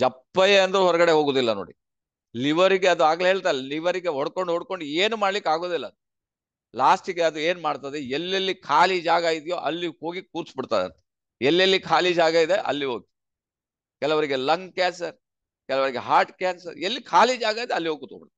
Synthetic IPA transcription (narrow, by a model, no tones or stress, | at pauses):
d͡ʒɐpːɐjeɐnd̪ɐɾuɦɔɾɐɡɐɽeɦo̞ːɡoːd̪ilːɐnoːɽi | liʋɐɾiɡeɐd̪uaːɡɐleɦeːɭt̪aːjliʋɐɾiɡeɦɔɽkoɳɖɦoɽko̞ɳɖeːnumaːɖlikaːɡod̪ilːɐd̪ | laːsʈiɡeɐd̪ue̞ːnmaːɽt̪ad̪eelːɐlːikʰaːlid͡ʒaːɡaːjid̪ijoːʔɐ̰lːiho̞ːɡik̚uːɾt͡ʃbiɽt̪aːd̪eɐ̰nt̪ɐ̥ | elːɐlːikʰaːlid͡ʒaːɡaid̪eʔɐ̰lːiɦoːɡ̚t̪ | kɛlɐʋɐɾiɡelɐŋɡkaːnsɐɾ | kɛlɐʋɐɾiɡeɦaːɾʈkaːnsɐɾelːikʰaːlid͡ʒaːɡaid̪eɐlːiɦoːɡut̪o̰ːbɽt̪ː